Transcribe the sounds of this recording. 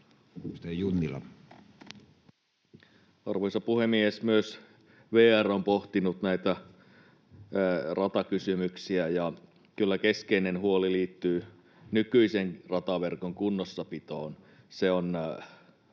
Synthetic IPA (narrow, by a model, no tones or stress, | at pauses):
st̪ejunːilɑ̰ | ɑrʋojsɑpuhemiesmyøs | ʋeːærompoht̪inut̪næit̪æ | rʔɑt̪ɑkysymyksiæjɑ | kylːæke̞skeinenhuoliliːt̪ːyː | nykyiseŋrɑt̪ɑʋe̞rkoŋkunːosːɑpit̪oːn | seon